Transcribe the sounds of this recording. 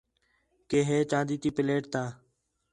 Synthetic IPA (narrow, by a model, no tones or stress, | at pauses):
keːɦeːt͡ʃãːd̪iːt̪iːpɪleːʈ̚t̪aː